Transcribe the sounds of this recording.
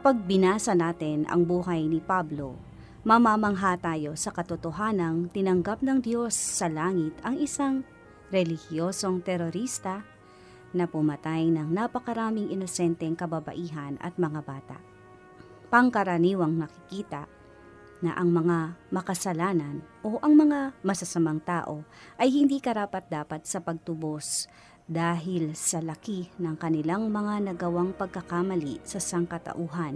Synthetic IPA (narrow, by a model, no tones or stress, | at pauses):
kɐpɐɡ̚bɪnaːsɐnaːt̪ɪnɐ̰ŋbuːɦɐjnɪpablo̞̰ | mɐmamɐŋɦat̪aːjo̞sɐkɐt̪ʊt̪oɦaːnɐŋt̪ɪnɐŋɡap̚nɐŋd̪jo̞sːɐlaːŋɪt̪ɐŋɪsaŋ | ɾɛlɪhjo̞ːso̞ŋt̪ɛɾoɾist̪ɐ | nɐpʊmɐt̪ajnɐŋnapɐkɐɾaːmɪŋʔɪnosɛnt̪ɛŋkɐbɐbɐ̰ʔiːɦɐnɐ̰t̪̚mɐŋabaːt̪a̰ʔ | pɐŋkɐɾɐniːwɐŋnɐkɪkiːt̪ɐʔ | nɐ̰ʔɐŋmɐŋamɐkɐsɐlaːnɐnʔo̞ʔɐŋmɐŋamɐsɐsɐmaŋt̪aːʔo̞ʔɐjhɪnd̪iːkɐɾaːpɐt̪̚d̪aːpɐt̪̚sɐpɐɡ̚t̪ʊbos | d̪aːɦɪlsɐlɐkinɐŋkɐnɪlaŋmɐŋanɐɡɐwaŋpɐɡ̚kɐkamɐlḭʔsɐsɐŋkɐt̪ɐ̰ʔuːɦɐn